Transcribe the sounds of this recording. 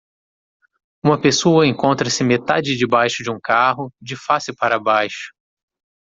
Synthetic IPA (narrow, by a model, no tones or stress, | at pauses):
ũmɐpesoɐẽŋkõnt̪ɾɐsɪmet̪a̰d͡ʒɪd͡ʒɪbajʃʊd͡ʒɪũkaɦʊd͡ʒɪfasɪpaɾɐbajʃʊ̥